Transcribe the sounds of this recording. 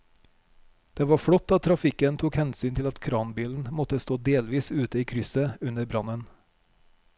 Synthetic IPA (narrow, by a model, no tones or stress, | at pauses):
d̪̥eːʋɑːfɽɔt̪ːɑt̪ʰɾɑfɪkənt̪ʰuːkhɛnsyːnt̪ʰɪlɑt̪kʰɾɑːnbiːln̩mɔt̪əst̪oːd̪eːlʋiːsʉːt̪əiːkʰɾʏsəʉnəɾbɾɑnən